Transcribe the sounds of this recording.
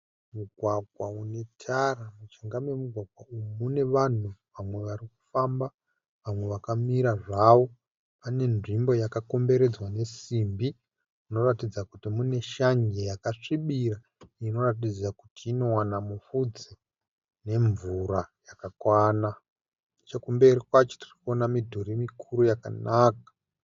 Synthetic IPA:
muɡʱwaɡʱwaune̞tʰaramut͡ʃeŋɡamwe̞muɡʱwaɡʱwaumune̞ʋan̤uʋamwe̞ʋariku̥famba | ʋamwe̞ʋakamiɾaʐawo̞ | pane̞nʐimbo̞jakako̞mbe̞ɾe̞d͡zwane̞simbi | uno̞ratid͡zakutimune̞ʃaɲɡejakaʂiɓira | ino̞rat̬id͡ziakutiːno̞wanamufud͡ze | ne̞ɱvuɾajakakwaːna | t͡ʃakumbe̞rikwat͡ʃo̥ti̥rikuo̞namidʱuɾemikʰuɾujaka̰naːkḁ

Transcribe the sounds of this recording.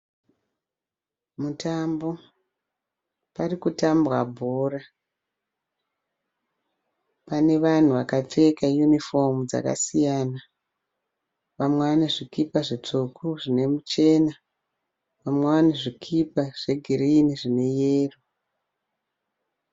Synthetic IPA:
mutambo̞ | parikutambwabʱoːra | pane̞ʋan̤uʋakap͡fe̞kaijunifo̞md͡za̰ka̰sijaːna | ʋamweʋaneʐikipaʐit͡sukʰuʐine̞mut͡ʃe̞ːna | ʋamweʋaneʐikʰipaʐ̥e̞ɡʱiriːniʐine̞jeːro

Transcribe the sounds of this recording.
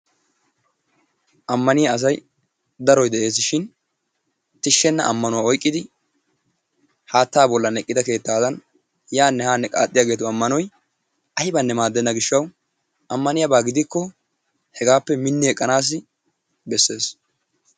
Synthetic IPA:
ʔɐmːɐnɪjaɐs̬ɐj | d̪ɐɾɔjd̪ɛʔe̞ːs̬ɪʃɪn | t̪ɪʃːɛnːɐ̰ʔɐmːɐnʊwaɔjkʼːɪd̪ɪ | haːt̪ːaːbɔlːɐnɛkʼːɪd̪ɐke̞ːt̪ːaːd̪ɐn | jaːnːɛhaːnːɛkʼa̰ːt̪ʼːɪjaːɡeːt̪ʊɐmːɐnɔj | ʔɐhɪbɐnːɛmaːd̪ːɛnːɐɡɪʃːɐw | ɐmːɐnɪjɐbaːɡɪd̪ɪkːɔ | hɛɡaːpːɛmɪnːɪɛkʼːɐnaːs̬ːɪ | bɛsːe̞ːs

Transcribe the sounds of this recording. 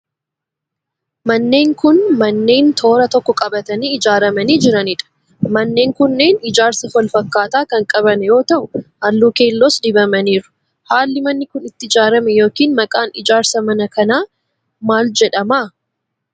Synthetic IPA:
mɐnːe̞ːŋkʊnmɐnːe̞ːnt̪ʰo̞ːɾɐt̪ɔkːɔkʼɐbɐt̪ɐniːɪd͡ʒaːɾɐmɐniːd͡ʒɪɾɐnɪᶑɐ̥ | mɐnːe̞ːŋkʊnːeːnɪd͡ʒaːɾsɐhɔlfɐkːaːt̪aːkɐŋkʼɐβɐnɛjo̞ːt̪ɐʔʊhɐlːuːke̞ːlːoːsd̪ɪbɐmɐniːɾʊ̥ | haːlːɪmɐnːɪkʊnɪt̪ːɪɪd͡ʒaːɾɐmɛjo̞ːkiːnmɐkʼaːnɪd͡ʒaːɾsɐmɐnɐkɐnaː | maːld͡ʒɛᶑɐmaː

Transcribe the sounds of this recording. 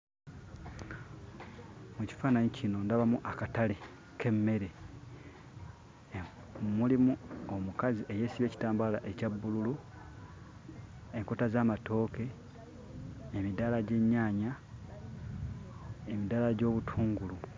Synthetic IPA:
muci̥faːnaɲicʰino̞ndaβamuʔakatale | kʰe̞mːe̞ɾe̞ | mulimuo̞mukaziʔe̞je̞ːsiβe̞ːci̥taːmbala̰ʔe̞cabːululu | e̞ŋkotazamato̞ːke̞ | midalaɟe̞ɲːaːɲa | emidalaɟo̞βutʰuːŋɡulu

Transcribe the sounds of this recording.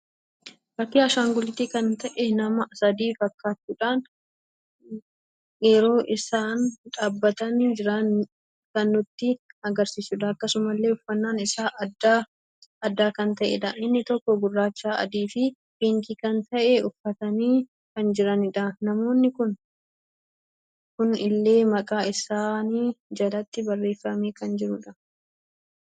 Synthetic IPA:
ɾɐkːɪɐʃaːŋɡʊlɪt̪ikɐnt̪ɐʔɛnɐmɐʔɐsɐd̪iːfɐkːaːtːuːᶑaːn | jɛɾo̞ːʔɪsaːnᶑaːbːɐt̪ɐnd͡ʒɪɾɐ | kɐnːʊt̪ːɪɐɡɐɾsiːsʊᶑ̪ɐɐkːɐsʊmɐlːe̞ːʊfːɐnːaːnɪsaːʔd̪a | ɐd̪ːaːkɐnt̪ɐʔɛ̰ᶑ̪ɐʔɪnːɪt̪ɔkːɔɡʊrːaːt͡ʃːaːɐ̰d̪iːfɪ | biːŋkikɐnt̪ɐʔɛʊfːɐt̪ɐniː | kɐnd͡ʒɪɾɐnɪᶑ̪ɐnɐmo̞ːnːɪkʊn | kʊnɪlːe̞ːmɐkʼaːɪsaːniːd͡ʒɐlɐt̪ːɪbɐrːeːfːɐmeːkɐnd͡ʒɪɾʊᶑɐ

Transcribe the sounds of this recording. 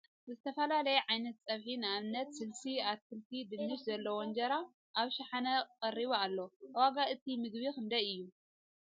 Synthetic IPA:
zɨt̪ʰɐfɐlalɐjɛʕajnɐt̪̚t͡sʼɐβħinɨaβnɐt̪sɨlsiat̪̚kʰɨlt̪ʰid̪ɨnːɨʃzɐlːɐwond͡ʒɐɾa | ʔaβʃaħanɐqʼɐrːiβoalːo̞waɡaɨt̪ʰimɨɡβikɨnd̪ɐjɨjːu

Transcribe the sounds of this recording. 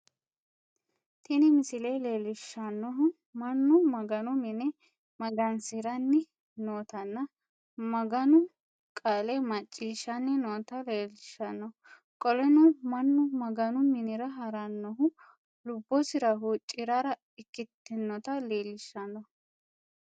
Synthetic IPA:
t̪ʰɪnɪmɪsɪleleːlɪʃːɐnːɔɦʊ | mɐnːʊmɐɡɐnʊmɪnɛ | mɐɡɐnsɪɾɐnːɪ | noːt̪ɐnːɐ | mɐɡɐnʊ | kʼaːlɛmɐt͡ʃʼːiːʃɐnːɪnoːt̪ɐleːlɪʃːɐnːɔ | kʼɔlɛnʊmɐnːʊmɐɡɐnʊmɪnɪɾɐɦɐɾɐnːɔɦʊ | lʊbːɔsɪɾɐɦuːt͡ʃʼːɪɾaɾɐ | ɪkːɪt̪ːɪnːɔt̪ɐle̞ːlɪʃːɐnːɔ

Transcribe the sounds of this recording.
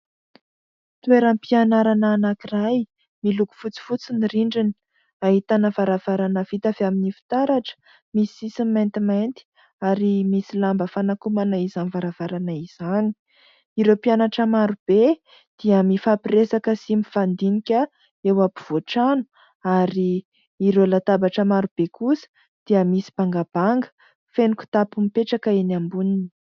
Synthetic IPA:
t̪uweɾəmpianaɾanaːnakiraj | miluku̥fut͡si̥fut͡siniriɳɖ͡ʐini̥ | aɦit̪anəvaɾav̥aɾanəvit̪aveaminifi̥t̪aɾaʈ͡ʂə̥ | misisiment̪imant̪i̥ | aɾimisilambəfanakumanaizanvaɾav̥aɾanaiz̥ani̥ | iɾepianaʈ͡ʂəmaɾub̥e | d̪̥iəmifapiɾesakəsimifand̪inikʲə | ewapi̥v̥oʈ͡ʂanu̥ | aɾiː | ɾewlat̪abaʈ͡ʂəmaɾub̥ekusə̥ | d̪̥iəmisi̥b̥aŋɡab̥aŋɡə̥ | feniku̥t̪apumipeʈ͡ʂakaenambunini̥

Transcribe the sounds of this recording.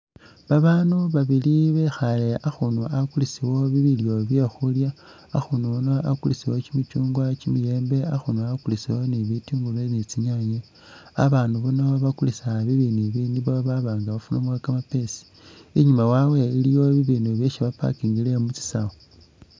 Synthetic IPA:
βaβaːnuβaβiliβexaleʔaxunuakulisiwo̞βiβiljo̞βjexuljaː | xunuunoakulisiwo̞t͡ʃimit͡ʃuːŋɡwat͡ʃimije̞ːmbe̞axunoakulisiwoniβitiŋɡulenet͡siɲaɲe | a̰βaːnduβunaoβakulisaβiβiniβindiβaβaβaːŋɡaβafunumwakamapesi̥ | iɲumawawe̞ilijo̞βiβiːnuβjeʃiβapa̰kiːŋɡilemut͡si̥sa̰wo

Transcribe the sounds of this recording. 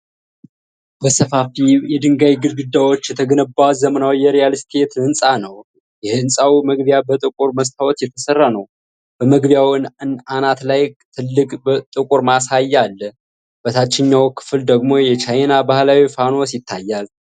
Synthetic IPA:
bəsəfafijɛd̪ɨŋɡajiɡɨlɡɨd̪ːawo̞t͡ʃːjɛt̪ʰəɡənəbːazəmənawjɛɾejalst̪ʰe̞t̪ɨnsʼanəw | jɛhɨnsʼawiməɡbjabət̪ʼɨkʼuɾməst̪ʰawɔt̪jɛt̪ʰəsərːanəw | b̥əməɡbjawnɨnanat̪lajt̪ʰɨlːɨkʼbət̪ʼɨkʼuɾmasajːalː | b̥ət̪ʰat͡ʃːɪɲːawkʰɨ̥fɨld̪əɡmo̞jɛt͡ʃajnabahlawifanosjɪt̪ʰːajːal

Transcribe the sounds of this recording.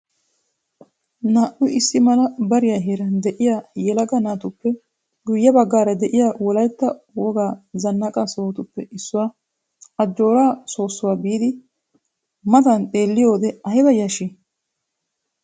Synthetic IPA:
naːʔʊɪsːɪmɐlɐbɐɾɪjaːɦeːɾɐnd̪ɛʔɪjaːjɛlɐɡɐnaːt̪ʊpːɛ | ɡʊjːɐbɐɡːaːɾɐd̪ɛʔɪjaːwɔlɐjt̪ːɐwɔɡaːzɐnːɐkʼasoːt̪ʊpːɛɪsːʊwaː | ɐd͡ʒːo̞ːɾaːso̞ːsːʊwaːbiːd̪ɪ | mɐt̪ɐnt̪ʼe̞ːlːɪjo̞ːd̪ɛɐjɪbɐjɐʃɪ

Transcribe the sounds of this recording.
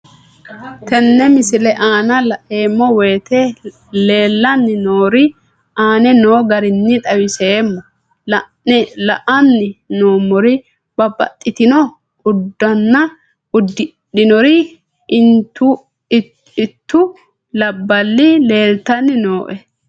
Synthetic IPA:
t̪ɛnːɛmɪsɪlɛʔaːnɐlɐʔeːmːɔweːt̪ɛ | le̞ːlːɐnːɪnoːɾɪ | aːnɛnoːɡɐɾɪnːɪt̪ʼɐwɪseːmːɔ | lɐʔɐnːɪno̞ːmɔɾɪ | b̥ɐbɐ̰t̪ʼːɪt̪ɪnɔ | ʔʊd̪ːɐnːɐ | ʊd̪ | ɗɪnɔɾɪ | ɪnt̪ːʊ | ɪt̪ːʊ | lɐbːɐlːɪle̞ːlt̪ɐnːɪno̞ːʔɛ

